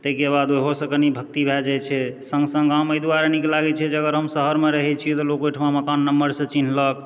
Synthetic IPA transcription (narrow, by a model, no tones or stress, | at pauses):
t̪əkebad̪oɦosə̃kənibʱəkt̪ibʱɛd͡ʒajt͡ʃʰɛsəŋɡsə̃ŋɡaməjd̪uaɾanikelaɡɛt͡ʃʰɛd͡ʒəɡəɾɦəmsəɦəɾmeɾəɦɛt͡ʃʰijɛt̪ɔlokojʈʰmaməkanːəmːbəɾsə̃t͡ʃin̤lək